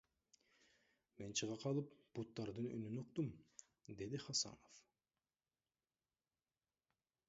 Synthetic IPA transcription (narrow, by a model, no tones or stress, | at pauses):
me̞nt͡ʃʰɨʁɑqʰɑlˠɯpb̥ut̪ːɑɾd̪ɯny̰nynoq̚t̪um | d̪e̞d̪iχɑsɑ̰no̞f